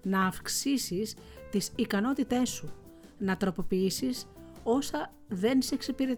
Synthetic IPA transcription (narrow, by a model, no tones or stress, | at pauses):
nɐːfksisis | t̪isikɐno̞t̪it̪e̞su | nɐt̪ɾo̞po̞piisiso̞sɐ | ðe̞nse̞ksepiɾe